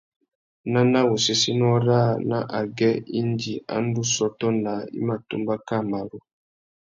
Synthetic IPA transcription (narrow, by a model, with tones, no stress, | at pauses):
na˦na˦wu˨si˦si˦nɔ˦ɾa˦˨na˨ʔa˨ɡɛ˦i˦ndi˨a̰˦n˦du˦sɔ˦tɔ˦na˨ḭ˦ma˨tṵ˦mba˦ka˦˨ma˨ɾu˨